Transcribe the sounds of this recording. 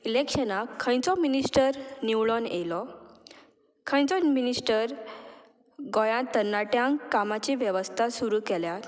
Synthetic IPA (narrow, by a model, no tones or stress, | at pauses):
ilekɕənakʰːə̃j̃t͡sɔminisʈəɾniwɭɔnelɔ | kʰə̃j̃t͡sɔminisʈəɾ | ɡɔjãt̪ənːaʈjãŋkamat͡ɕiʋjəʋəst̪ʰasuɾukɛljat̪